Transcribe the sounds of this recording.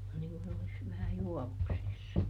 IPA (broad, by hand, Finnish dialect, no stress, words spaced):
on niŋ kun olis ʋæhæ juɔʋuksisːɑ